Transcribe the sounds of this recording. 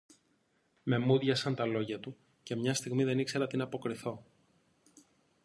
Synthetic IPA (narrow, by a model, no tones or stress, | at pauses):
me̞muðʝɐsɐnt̪ɐlo̞ʝɐt̪u | ce̞mɲɐst̪iɣmiðe̞nikse̞ɾɐt̪inɐpo̞kɾiθo̞